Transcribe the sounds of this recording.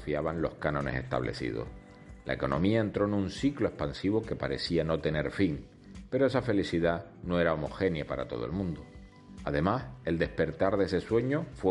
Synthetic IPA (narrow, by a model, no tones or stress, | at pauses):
fiaβanlo̞hkanõ̞ne̞se̞̰ht̪a̰βlʔe̞̰sḭð̞o̰h | la̰eko̞̰nõ̞̰miae̞nt̪ɾo̞enũnsikloe̞hpansiβo̞ke̞paɾe̞siano̞t̪e̞ne̞ɾfiŋ | pe̞ɾoesafe̞liθiða | noe̞ɾaomo̞xe̞njapaɾa̰t̪o̞̰ð̞oelmũnd̪o | aðe̞mase̞ld̪e̞hpe̞ɾt̪aɾðe̞se̞swe̞ɲo̞fw